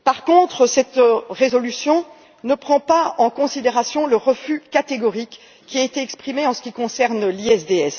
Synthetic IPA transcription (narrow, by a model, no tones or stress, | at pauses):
paʁkɔ̃t̪χəsɛt̪ʁezɔlysjɔ̃ | nəpχɑ̃paɑ̃kɔ̃sid̪eʁasjɔ̃ləʁəfykat̪eɡɔʁikːʲ | iaet̪eɛkspχimeɑ̃sə̥kʲikɔ̃sɛʁnliɛsd̪eɛs